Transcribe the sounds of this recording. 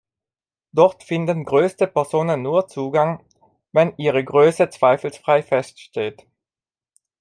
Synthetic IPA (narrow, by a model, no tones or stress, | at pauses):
d̥ɔʁtfɪndənɡʁøːstəpɛɐzoːnənːuːɐt͡suːɡaŋ | vɛnʔiːʁəɡʁøːsət͡sv̥aɪfl̩sfʁ̥aɪfɛstʃteːt